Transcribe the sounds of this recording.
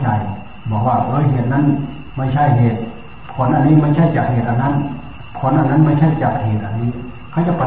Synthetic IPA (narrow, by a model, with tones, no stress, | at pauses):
t͡ɕa˨˩j | bɔː˨˧˦kwaː˧˩ʔɤː˧˥˨jɦeː˨˩t̪̚na˧˥˨n | ma˧˥˩t͡ɕʰa˧˥˨jɦeː˨˩t̪̚ | pʰɔ˨˧˦nʔa˨niː˧˥˨ma˧˨t͡ɕʰa˧˥˨jt͡ɕaː˨˩k̚heː˨˩t̪̚ʔa˨˩na˧˥˨n | pʰɔ˧˦nʔa˧˨nːa˧˥˨ma˧˥˨t͡ɕʰa˥˨jt͡ɕaː˨˩k̚heː˨˩t̪̚ʔa˨˩niː˧˥˨ | kʰa˧˩wt͡ɕa˧˩pa˧